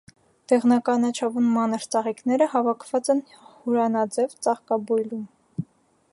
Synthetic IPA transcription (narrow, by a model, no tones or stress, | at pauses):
t̪ɛʁnɑkɑnɑt͡ʃʰɑvunmɑnəɾt͡sɑʁiknɛɾəhɑvɑkʰvɑt͡sɛn | huɾɑnɑd͡zɛvt͡sɑʁkɑbujlum